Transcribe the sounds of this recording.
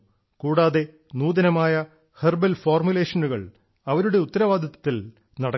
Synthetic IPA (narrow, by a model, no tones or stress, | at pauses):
kuːɽaːðe̞ | nuːðɐnɐmaːjɐ | herbɐlfoːrmjule̞ːʂɐnuɣɐ̰ɭ | ɐʋɐɾuɽe̞ut̪ːɐɾɐʋaːd̪ʱɐt̪ːɐt̪ːil | nɐɽɐ